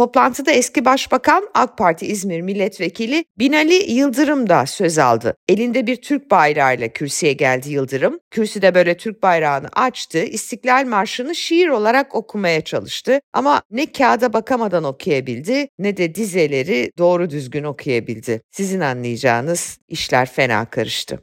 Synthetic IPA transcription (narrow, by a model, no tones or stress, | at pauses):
t̪ʰo̞plˠant̪ʰɯd̪aɛscibaʃbakʰanalˠk̚pʰaɾt̪ʰiizmiɾmilʲːɛt̪ve̞cʰilʲɪbinalʲijɯlˠd̪ɯɾɯmd̪asø̞za̰lˠd̪ɯ̰e̞lʲind̪ɛbiɾt̪ʰyɾc̚bajɾaːjlˠacʰyɾsijɛɟælʲd̪ijɯlˠd̪ɯɾɯmcʰyɾsid̪ɛbø̞jlʲɛt̪ʰyɾc̚bajɾaːnɯ̰ʔat͡ʃt̪ʰɯist̪ʰiclʲalʲmaɾʃɯnɯʃijiɾo̞lˠaɾako̞kʰumajat͡ʃʰalˠɯʃt̪ɯʔamanɛcʰaːd̪abakʰamad̪ano̞kʰujabilʲd̪ɪnɛd̪ɛd̪ize̞lʲe̞ɾid̪o̞ːɾud̪yzɟʲyno̞kʰujabilʲd̪ɪsizinanlˠɯjad͡ʒa̰ːnɯz̥iʃlʲæɾfe̞na̰ːkʰaɾɯʃt̪ʰɯ̰